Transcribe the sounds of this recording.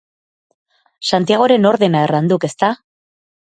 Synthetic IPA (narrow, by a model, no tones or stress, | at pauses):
sant̪iaɣ̞o̞ɾe̞no̞ɾðe̞naerand̪uke̞st̪a